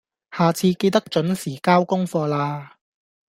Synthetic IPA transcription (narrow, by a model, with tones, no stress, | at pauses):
haː˨t͡sʰiː˧ke˧jt̪ɐ˥k̚t͡ʃɵ˨˥nsiː˨˩kaː˥wkʊ˥ŋfɔː˧laː˧